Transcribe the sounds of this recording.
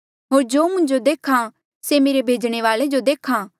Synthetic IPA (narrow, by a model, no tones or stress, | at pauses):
ɦoːɾd͡ʒoːmʊ̃ɲd͡ʒod̪eːkʰã | semeːɾebʱeːd͡ʒɽ̃eʋaːled͡ʒod̪eːkʰãː